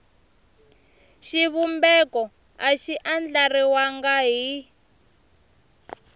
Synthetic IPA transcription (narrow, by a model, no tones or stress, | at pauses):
ʃiβumbɛkɔ | aʃiʔand͡ɮariwaŋɡaɦi